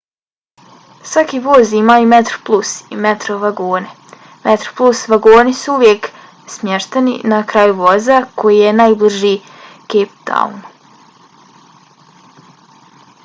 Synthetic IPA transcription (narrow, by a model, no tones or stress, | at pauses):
sʋakiʋoːziimajumet̪ɾo̥plˠusimet̪ɾoʋaɡoːne | met̪ɾoplˠusʋaɡoːnisuuʋjek | smjeʃt̪enḭnakɾaːjuʋo̞zakʰo̞jijenajbliʒiː | keːpd̪̥a̰ṵn